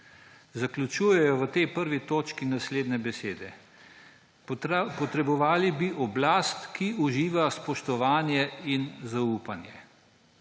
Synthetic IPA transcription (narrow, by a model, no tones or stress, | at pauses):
zaklʲut͡ʃuːjɛjɔʋət̪ɛjpəɾʋit̪oːt͡ʃkinasleːd̪nɛbɛseːd̪ɛ | pɔt̪ɾɛbɔʋaːlibiʔɔblaːst̪kiʔuʒiːʋaspɔʃt̪ɔʋaːnjɛinzauːpanjɛ